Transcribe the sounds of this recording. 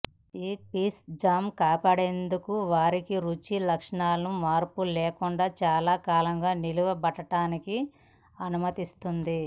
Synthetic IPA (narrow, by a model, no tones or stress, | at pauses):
iːpiːsd͡ʒaːmkaːpaːɽe̞ːnd̪ukuʋaːɾikiɾut͡ʃilɐkʂɐɳaːlɐnumaːɾpulɛːkuɳɖaːt͡ʃaːlaːkaːlɐŋɡaːniluʋɐbɐʈɐʈaːniki | ɐnumɐt̪ist̪und̪i